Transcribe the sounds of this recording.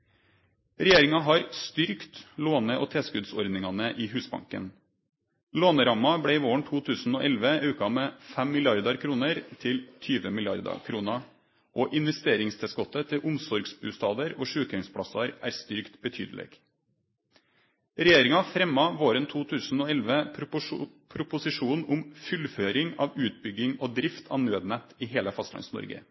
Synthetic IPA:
ɾɛjeːɾɪŋɑɦɑːɾst̪ʏɾkt̪loːnəʔoːt̪ʰeːskʉd̪sɔɾd̪nɪŋɑnəʔiːɦʉːsbɑ̰ŋkə̰n | loːnəɾɑmɑbɽeːɪːʋoːəɳt̪ʰuːt̪ʰʉːsn̩oːʔɛlʋəʉːkɑmeːfɛmːɪlɪɑɾd̪ɑɾkʰɾuːnəɾt̪ʰɪlt̪ʰyːʋəmɪlɪɑ̰ɾd̪ɑ̰kʰɾuːnɑ | ʔoʔɪnʋɛst̪eːɾɪŋst̪ʰɪsɡɔt̪ːət̪ʰɪlʔʊmsɔɾɡsbʉːst̪ɑːd̪əɾoːʂʉːkɛŋspʰɽɑsɑɾʔæ̰ːɾst̪ʏɾkt̪bət̪ʰy̰ːd̪əlḛːɡ̥ | ɾɛjeːɾɪŋɑfɾɛmːɑʋoːɾənt̪ʰuːt̪ʰʉːsn̩oːɛlʋə | pʰɾʊpʊsɪʂuːnʊmfʏlføːɾɪŋɑːʋʉːt̪̚bʏɡɪŋoːd̪ɾɪft̪ʰɑ̰ʋnøːd̪næt̪ɪɦeːləfɑst̪lɑ̰nsnɔ̰ɾɡə̰

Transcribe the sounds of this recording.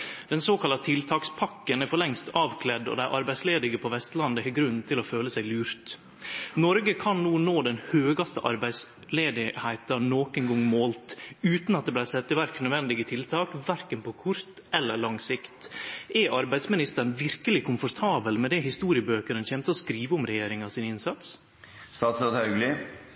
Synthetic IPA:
d̪̥ɛnsoːkʰɑlɑt̪ʰɪlt̪ʰɑːkspʰɑkːənæɾfɔɭɛŋst̪ʰɑːʋkʰlɛd̪ɔ̰d̪æɪʔɑɾbæɪsleːd̪ɪɡəpʰɔʋɛst̪lɑnd̪əhɛɡɾʉnːnt̪ʰɪlɔføːləsæɪlʉːɾt̪ | nɔɾɡəkʰɑnnuːnoːd̪ɛnhøːɡɑst̪əʔɑ̰ɾbæɪs | leːd̪ɪhæɪt̪ɑnoːkɛŋɡɔŋːmoːlt̪ʉːt̪nɑt̪̚d̪ɛblæɪsɛt̪ːəʋæɾknœd̪ʋɛnd̪ɪɡət̪ʰɪlt̪ʰɑːkʋæɾkənpʰɔkʰʊɾt̪ | ɛlːəɭɑŋsɪkt̪ɛʔɑɾbæɪsmɪnɪst̪ən̩ʋɪɾkəlɪkʰʊmfɔɾt̪ʰɑːbəlmɛd̪ɛhɪst̪uːɾɪəbøːkəɾənçɛmt̪əɔskɾiːʋəʊmɾɛjeːɾɪŋɑsɪnɪnsɑt̪s | st̪ɑːt̪sɾoːt̪hɑʉɡlɪ

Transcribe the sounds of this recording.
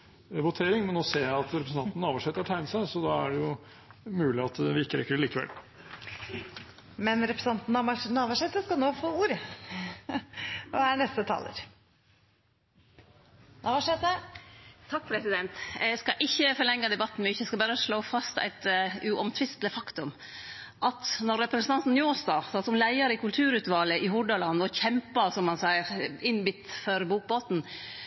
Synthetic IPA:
ʋʊt̪ʰeːɾɪŋmɛnoseːæɪɑt̪ɾɛpɾsn̩ɑnn̩ːɑːʋɑʂɛt̪ːətʈʰæɪnəsæɪsɔd̪ɑæɖɛjʊ | mʉːlɪɑt̪ʋɪɪkːəɾɛ̰kːəɖɛliːkəʋɛ̰l | mɛnɾɛpɾəsɑnt̪n̩ɑmɑnɑːʋɑʂɛt̪əskɑlnoːfoːuːɾə | æɳɛst̪ət̪ʰɑ̰ːlə̰ɾ | nʔɑːʋɑʂɛt̪ə | t̪ʰɑk̚ːpʰɾɛsɪd̪ɛnt̪ɛɡskɑʔɪçːəfɔlɛŋːɑd̪ɛbɑt̪ːn̩mʏçəɛskɑbɑːɾəʂɭoːfɑst̪æ̰ɪt̪ʉʔɔmt̪ʰʋɪst̪ləfɑkt̪ʉm | ʔɑt̪nɔɾːɛpɾɛsənɑnt̪n̩njoːst̪ɑːsɑsɔmlæɪɑɾəɪkʉlt̪ʰʉːɾʉt̪ʋɑːləʔɪhʊɖɑlɑnːɔçɛmpɑsɔmhɑnsæɪəɾɪnbɪt̪ːfɔɾbuːk̚boːt̪n̩

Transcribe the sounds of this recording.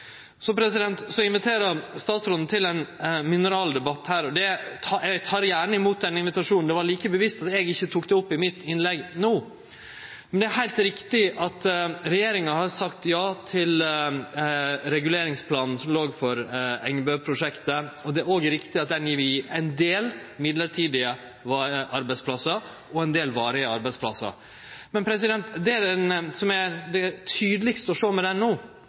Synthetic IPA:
sɔpʰɾɛsɪd̪ɛnt̪sɔɪnʋɪt̪ʰeːɾɑst̪ɑːt̪sɾɔd̪n̩ət̪ʰɪlɛnmɪnəɾɑːld̪ɛbɑt̪ːhæːɾɔd̪ɛɑɛɡt̪ʰɑːɾjæːɳəɪmuːt̪̚d̪ɛnːɪnʋɪt̪ɑʂuːnn̩d̪ɛʋɑɭiːkəbəʋɪst̪ɑt̪ɛɡɪçːət̪ʰuːkd̪ɛɔpːɪmɪt̪ːɪnlɛɡnuː | mɛnd̪ɛæɾɦæɪt̪ɾɪkt̪ɪʔɑt̪ɾɛjeːɾɪŋɑhɑɾsɑkt̪jɑːt̪ʰɪl | ɾɛɡʉleːɾɪŋspʰlɑːnn̩sɔmloːɡfɔɾɛŋːbøːpʰɾʊʂɛkt̪əɔd̪ɛæɾoːɡɾɪkt̪ɪɑt̪̚d̪ɛæniːʋɪɛɪnd̪eːlmɪd̪ləɾʈʰiːd̪ɪə | ʋɑʔɑɾbæɪspʰlɑsɑ | ʔɔɛnd̪eːlʋɑːɾəɪɑɾbæɪspʰlɑsɑ̰ | mɛnpʰɾɛs̬ɪd̪ɛnt̪d̪ɛæɾɛnsɔmæd̪ɛt̪ʰyːd̪əlɪkst̪əɔʂoːmɛd̪ɛnoː

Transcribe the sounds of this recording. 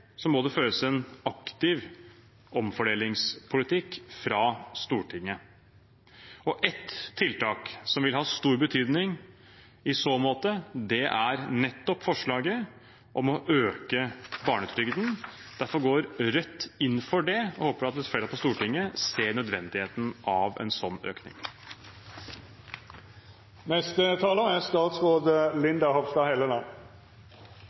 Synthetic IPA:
sɔmːɔd̪ɛføːɾəsɛnɑkt̪ɪʋ | ɔmfɔɖeːlɪŋspʰʊlɪt̪ʰɪkːfɾɑst̪uːʈʰɪŋːə | ɔʔɛt̪ʰːɪlt̪ɑːksɔmʋɪlɦhɑːst̪uːɾbət̪ʰyːd̪nɪŋ | ɪsoːmoːt̪əd̪ɛʔæɾnɛt̪ːɔpfɔʂɭɑːɡə | ʔɔmɔʔøːkəbɑːɳət̪ʰɾʏɡd̪nd̪̥æɾfɔɾɡoːɾɾœt̪ːɪnːfɔɖɛɔhoːpəɖɑt̪lɪfɛːɾpʰɔst̪uːʈɪŋːəseːɳœd̪ʋɛnd̪ɪheːt̪n̩ʔɑʋɛ̰nsɔnːø̰ːknɪ̰ŋ | nɛst̪ət̪ʰɑːləæst̪ɑːt̪sɾoːd̪əlɪnd̪ɑhɔʋst̪ɑhɛlənɑ

